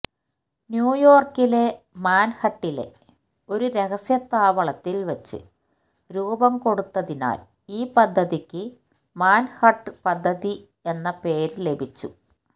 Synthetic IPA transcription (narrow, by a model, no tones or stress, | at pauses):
njuːjo̞ːrkile̞ | maːnhɐʈːile̞̰ | o̞ɾuɾe̞ɣɐsjɐt̪aːʋɐɭɐt̪ːilʋɐt͡ɕːɨ̰ | ɾuːbɐmko̞ɽut̪ːɐðina̰ːl | iːpɐd̪ʱːɐðikʲːɨ | maːnhɐʈːpɐd̪ʱːɐði | e̞nːɐpe̞ːɾle̞bʱit͡ɕːṵ